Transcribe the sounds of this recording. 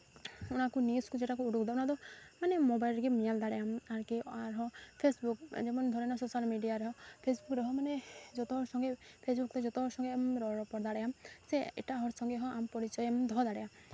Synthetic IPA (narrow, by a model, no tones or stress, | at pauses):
unakuniuskud͡ʒeʈakuuɖukd̪ɔunad̪ɔmanemobajlɾɡimiald̪aɽejamaɾkiaɾɦɔ̃pʰesbukd͡ʒemɔnd̪ʱɔɽenɔsosalmiɖijaɾeɦɔ̃pʰesbukɾeɦɔ̃maned͡ʒɔt̪ɔɦɔɾsɔŋɡepʰesbukt̪ed͡ʒɔt̪ɔɦɔɾsɔ̃ŋɡemɾɔɾɔpɔɾd̪aɽeamseḛʈaɦɔɾsɔ̃ŋɡeɦɔ̃ʔampɔɾit͡ʃɔjemd̪ʱɔd̪aɽeja